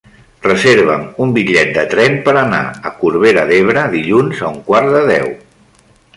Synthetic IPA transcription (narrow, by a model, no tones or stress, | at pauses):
rəzeɾβ̞ə̰mumbiʎɛt̪̚d̪ət̪ɾɛmpəɾəna̰əkuɾβeɾəðeβ̞ɾəðiʎunzəuŋkwaɾðəðɛ̰w